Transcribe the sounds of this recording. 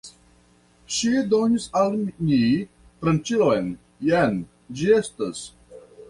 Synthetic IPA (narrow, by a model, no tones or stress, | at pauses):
ʃid̪oniszalmini | pɾɐ̃nt͡ʃilojn | jɛn | d͡ʒiest̪ɐs